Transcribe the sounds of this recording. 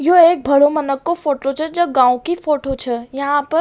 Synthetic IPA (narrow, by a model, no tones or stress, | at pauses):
joeːk̚bʱɐɭomənəkːofoːʈot͡ʃʰɛd͡ʒɐb̚ɡãːõkifoːʈot͡ʃʰɛjɐɦãpəɾ